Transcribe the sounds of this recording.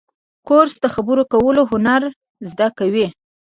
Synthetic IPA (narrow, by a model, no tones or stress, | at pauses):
koɾsd̪əxabəɾokawəloɦʊnaɾ | zd̪akawi